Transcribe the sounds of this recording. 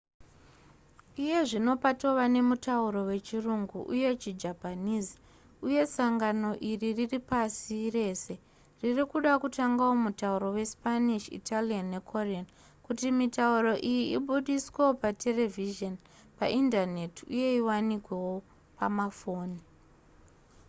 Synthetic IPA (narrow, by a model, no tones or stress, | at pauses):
ije̞ʐino̞pato̞ʋane̞mutauɾo̞we̞t͡ʃiruŋɡuʔuje̞t͡ʃid͡ʒapaniːzi̥ | uje̞saŋɡano̞ʔiririripasire̞ːse̞ | ririkuɗakutaŋɡawo̞mutauɾo̞we̞spaniʃḭtalianːekʰorian | kutimitauro̞ʔijiiɓuɗisweopatʰe̞re̞viʒon | pa̰ʔindane̞tiuje̞iwanikwe̞wo̞ | pamafo̞ːni